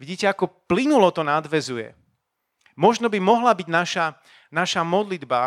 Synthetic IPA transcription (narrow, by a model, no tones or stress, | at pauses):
ʋiɟiːcɛakɔplinulɔt̪ɔnad̪ʋɛzujɛ̰ | mɔʒnɔbimɔɦlabiɟnaʃa | naʃamɔd̪lid̪ba